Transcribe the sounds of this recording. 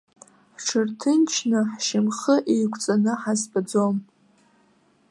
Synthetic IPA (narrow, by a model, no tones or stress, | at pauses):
ħʈ͡ʂʰɨrtʰɨnt͡ʃʰnɨħʃɪmχəʔejkʷʰʼt͡sʼanɨħazbad͡zom